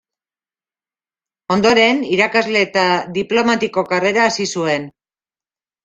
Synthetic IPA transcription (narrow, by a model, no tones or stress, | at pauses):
o̞nd̪o̞ɾe̞niɾakazle̞ːt̪aðiplo̞mat̪iko̞kare̞ɾaːsisue̞n